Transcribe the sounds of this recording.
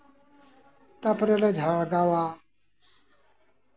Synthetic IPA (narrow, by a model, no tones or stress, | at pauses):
t̪ɐpɾeled͡ʒʱaɭɡawaː